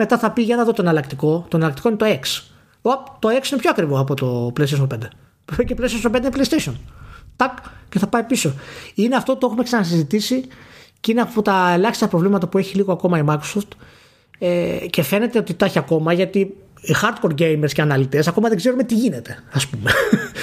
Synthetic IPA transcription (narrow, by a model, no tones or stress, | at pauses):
me̞t̪ɐθɐpiʝɐnɐðot̪oenɐlɐkt̪iko̞t̪oenɐlɐkt̪ikoinet̪oeks | ɐp̚t̪o̞eksinepçoɐkɾivoɐpot̪o̞pleist̪eʃonpend̪e | ocepleist̪esompend̪eneple̞ist̪eso̞nt̪ɐkce̞θɐpɐipiso̞ineɐft̪ot̪oexume̞ksɐnɐsizit̪isicineɐpot̪ɐe̞lɐçist̪ɐpɾovlimɐt̪ɐpue̞çiliɣo̞ɐko̞mɐimɐjkɾosoft̪ | ece̞fe̞ne̞t̪e̞o̞t̪it̪ɐçiɐko̞mɐʝɐt̪i | ixɐɾd̪̚ko̞ɾɟe̞jmeɾsceɐnɐlit̪e̞sɐko̞mɐðe̞ɡze̞ɾumet̪iʝine̞t̪e̞ɐspume̞